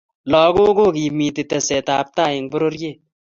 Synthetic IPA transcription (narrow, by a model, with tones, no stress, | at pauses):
lɔː˨ɡoː˦ɡo˦ɡi˨miː˨t̪i˨t̪e˨se˨t̪aː˨p̚t̪aː˦˨ji˨ŋbʊ˦ɾo˦ɾje˦˨